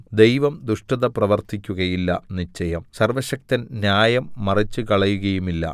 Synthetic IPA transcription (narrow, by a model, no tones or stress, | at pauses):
d̪e̞jʋɐmd̪uʂʈɐðɐprɐʋɐrt̪ikʲːuɣɐjilːɐnit͡ɕːɐjɐmsɐrʋɐɕɐk̚t̪ɐnnjaːjɐmːɐrit͡ɕːukɐɭɐjuɣɐjumilːɐ̰